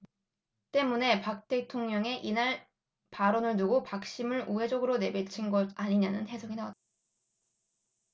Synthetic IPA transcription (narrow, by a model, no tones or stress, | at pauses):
t͈e̞mune̞pak̚t͈e̞tʰoŋɲʌŋe̞ʔinaɭ | paɾʌnɯɭnuɡopak̚ɕ͈imɯɭuɦe̞d͡ʑʌɡɯɾone̞bet͡ɕʰinɡʌdaɲiɲanɯnte̞sʰʌŋinawat̚t͈ḁ